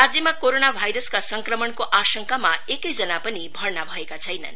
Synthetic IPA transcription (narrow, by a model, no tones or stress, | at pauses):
ɾad͡zjʌmakoɾonabʱajɾʌskasʌŋkɾʌmʌɳkoʔasʌŋkamaekʌjd͡zʌnapʌnibʱʌɾnabʱʌekat͡sʰʌjna̰n